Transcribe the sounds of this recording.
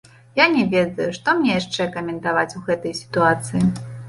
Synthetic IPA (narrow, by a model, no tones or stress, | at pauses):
janʲɛvʲɛd̪ɐjuʂt̪ɔmnʲɛjaʂt͡ʂɛkɐmʲɛnt̪avat͡sʲuɣɛt̪ɐjsʲi̥t̪uat̪sɨji